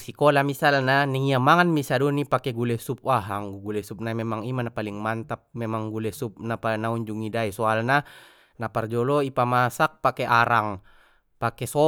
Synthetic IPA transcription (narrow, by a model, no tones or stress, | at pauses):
sikɔlamisalnaniŋiamaŋanmisadɔnipakɛɡulɛsup̚waɦaŋɡuɡulɛsup̚namɛmaŋimanapaliŋmant̪ap̚mɛmaŋɡulɛsup̚napanauɲd͡ʒuŋidaisɔalna | napard͡ʒɔlɔipamasak̚pakeʔaɾaŋ | pakɛsɔ